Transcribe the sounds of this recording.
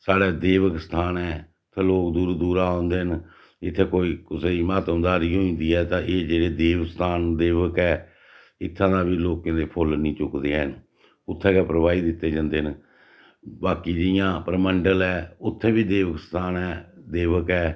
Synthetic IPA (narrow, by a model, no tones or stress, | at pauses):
saːɽeːd̪eːʋəkst̪ʰaːnɛː | t̪ʰeːloːkd̪uːɾd̪uːɾaːõːnd̪eːɦn | ɪt̪ʰːeːkoːiːkʊseimaːt̪ə̃md̪aːɾiːɦoːɪ̃nd̪iːɛːt̪ãːʔeːd͡ʒeːɽeːd̪eːʋst̪ʰaːnd̪eːʋəkɛː | ɪt̪ʰːãːd̪aːbiːloːkːãːd̪eːpʰʊlnĩːt͡ʃʊkd̪eːɛːən | ʊt̪ʰːɛːkɛːpɾəʋaːiːd̪ɪt̪ːeːd͡ʒãːnd̪eːən | baːkiːd͡ʒɪjãːpəɾməɳɖəlɛːʊt̪ʰːeːbiːd̪eːʋəkst̪ʰaːnɛːd̪eːʋəkɛː